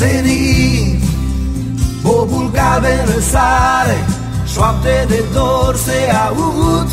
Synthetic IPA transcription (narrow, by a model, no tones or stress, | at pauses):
eni | bobulkaβeɾəsaɾe | swap̚t̪ed̪ed̪oɾseaut̪